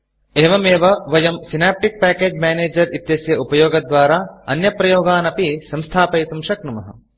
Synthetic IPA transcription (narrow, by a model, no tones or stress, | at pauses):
eːʋɐmeːʋɐʋɐjɐmsinaːp̚ʈik̚pæːkeːd͡ʒmɛːneːd͡ʒɐɾit̪jɐsjɐupɐjoːɡɐd̪ʋaːɾaːɐ̰njɐpɾɐjoːɡaːnɐpisɐ̃mst̪ʰaːpɐjt̪umʃɐknumɐɦɐ̰